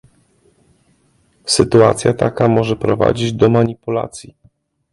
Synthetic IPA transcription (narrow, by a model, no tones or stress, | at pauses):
sɘt̪ua̰t̪sʲjat̪akamɔʐɛpɾɔva̰d͡ʑid͡ʑd̪ɔmaɲipula̰t̪sʲji